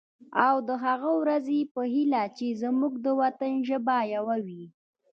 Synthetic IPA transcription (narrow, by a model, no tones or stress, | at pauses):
awd̪əɦaɣawɾazepəɦilat͡ʃezamuɡd̪əwat̪ənʒəbajawawi